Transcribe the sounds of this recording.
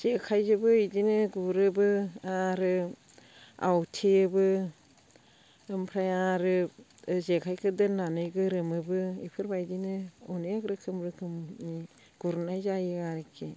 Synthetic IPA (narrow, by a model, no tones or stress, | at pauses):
z̥ekʰajzɯbɯidinɯɡuɾɯbɯaɾɯ | a̰wtʰeɯbɯ | ɯmpʰɾajaɾɯ | zekʰajkʰɯdɯnːanɯjɡɯɾɯmɯbɯḭpʰɯɾbajdinɯɔnejaɡɾɯkʰɯmɾɯkʰɯmi | ɡ̥uɾnajzajɯaɾekʰe